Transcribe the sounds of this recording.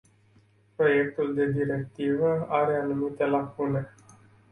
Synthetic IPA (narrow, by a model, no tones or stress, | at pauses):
pɾo̞je̞k̚t̪uld̪e̞d̪iɾe̞k̚t̪ivəaɾe̞anumit̪e̞lakune̞